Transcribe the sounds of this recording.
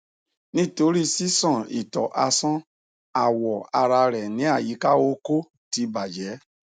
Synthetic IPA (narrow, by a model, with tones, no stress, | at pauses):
nĩ˦˨to˧˦ɾi˦si˦sɔ̃˦˨ḭ˨tɔ˨ʔa˧sɔ̃˦ | a˨wɔ˨a˧ɾa˧ɾɛ˨nĩ˨˦a˦˨ji˨˦ka˦o˦ko˦ | ti˧˦ba˨d͡ʒɛ˨˦